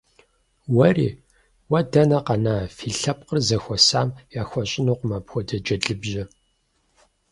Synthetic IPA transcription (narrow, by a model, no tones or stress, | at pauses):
wɐrḭː | wɐdɐnɐqɐnaːfiːɬɐp̚qərzɐxʷɔsaːmjaːxʷɔɕʼɪnuːqmɐpxʷɔdɐd͡ʒɐɮɨbʒɐ